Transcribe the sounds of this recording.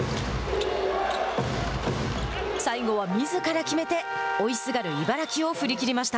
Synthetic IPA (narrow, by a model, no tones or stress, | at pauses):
saiɡo̞β̞amʲizɨkaɾakʲime̞t̪e̞o̞isɨɡaɾɯ̟ibaɾakʲio̞ɸɯ̟ɾʲikʲiɾʲimaɕi̥t̪a